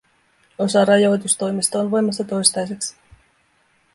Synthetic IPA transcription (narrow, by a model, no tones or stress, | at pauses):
o̞sɑɾɑjo̞jt̪ust̪o̞jmist̪ɑonʋo̞jmɑsːɑt̪o̞jst̪ɑjseksi̥